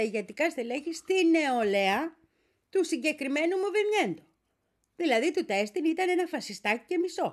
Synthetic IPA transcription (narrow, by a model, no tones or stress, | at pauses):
iʝet̪ikɐst̪eleçist̪ine̞ole̞ɐ | t̪usiɲɟe̞kɾime̞numuvemɲe̞nd̪o | ðilɐðit̪ut̪e̞st̪init̪ɐne̞nɐfɐsist̪ɐcice̞miso̞